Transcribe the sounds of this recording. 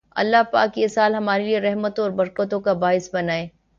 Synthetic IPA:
ɐ̰lːaɦpa̰ːkjesaːlɦɐmaːɾelieɾɛɦmət̪õɔːɾbɐɾkət̪̬õkabaːɪsbɐnaːeː

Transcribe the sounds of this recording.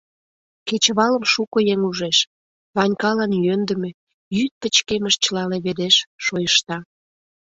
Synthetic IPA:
ket͡ɕəβɑləmʃukojeŋuʒeʃ | βɑnʲkɑlɑnjønd̪ə̆me | jyt̪̚pət͡ɕkeməʃt͡ɕəlɑneβed̪eʃːojəʃt̪ɑ

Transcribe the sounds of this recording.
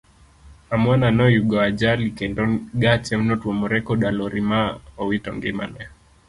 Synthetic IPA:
amwananɔjuɡɔad͡ʒalikɛndɔnɡat͡ʃɛmnɔtwɔmɔɾɛkɔɗalɔɾimaɔwitɔŋɡɛma̰nɛ

